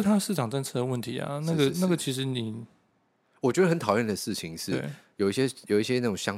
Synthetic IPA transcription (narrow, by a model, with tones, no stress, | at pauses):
t̪ʰa˥ʂɻ̩˥˩ʈ͡ʂɑ˨˩ŋʈ͡ʂə˥˧nt͡sʰɤ˥˩də˩wə˥˩nt̪ʰḭ˨˥ɐ̰˨na˥˩ɡə˧˩na˥˩ɡə˩t͡ɕʰi˧˥ʂ̬ɻ̩˧˥ni˨˩˦ | wɔ˨˩t͡ɕɥɛ˧˥d̪ə˧xə˧˦nt̪ʰɑ˨˩ʊjə˥˩nd̪ə˩ʂɻ̩˥˩t͡ɕʰi˨˦ŋʂɻ̩˥˧˨ḛ˥˩jo˨˩ʊi˥ɕjɛ˥jo˨˩ʊi˥˩ɕjɛ˥na˥˩ʈ͡ʂʊ˨˩ŋɕjɑ˥˦